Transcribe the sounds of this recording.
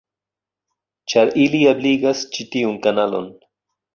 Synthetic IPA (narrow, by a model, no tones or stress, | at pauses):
t͡ʃaɾiliabliɡast͡ʃitiunkanalo̰n